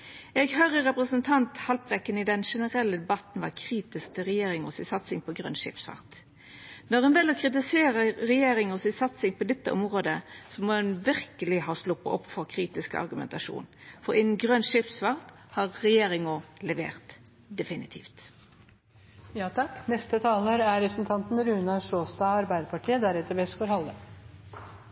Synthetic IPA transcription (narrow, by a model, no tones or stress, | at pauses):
ɛɡhœʁəʁɛpʁəsənt̪ʰɑnt̪hɑlpʁɛkːənɪd̪ɛnʂɛnəʁɛlːəd̪ɛbɑt̪n̩ʋɑkʰʁiːt̪ɪsk̚t̪ʰɪʁɛjeːɾɪŋɔsɪsɑt̪sɪŋpʰɔɡʁœ̰nʃɪ̰ːpsʋɑ̰ʁt̪ | nɔʁɛnʋɛlɔkʰʁɪt̪̬ɪseːɾəɾɛjeːɾɪŋɔsɪsɑt̪sɪŋpʰɔd̪ɛt̪ːəʔɔmʁoːd̪əsɔmɔːɛnʋɪʁkəlɪhɑːslʊpːə̰ʔɔpːfɔʁkʰʁiːt̪ɪskɑ̰ʁɡʉmɛ̰nt̪ɑʂṵːnfɔʁɪnn̩ɡʁœnʃɪpsʋɑʁt̪ | hɑːʁːɛjeːʁɪŋʊlɛʋḛːʁt̪ | d̪ɛfɪnɪt̪ʰiːft̪ | jɑːt̪ʰɑkːnɛst̪ət̪ʰɑːləɾæɾɛpɾsn̩t̪ʰɑnt̪n̩ɾʉːnɑʂoːst̪ɑːɑɾbæɪd̪əɾpʰɑʈʰiːəd̪æɾɛt̪ːəɾʋɛskɔɾhɑlːə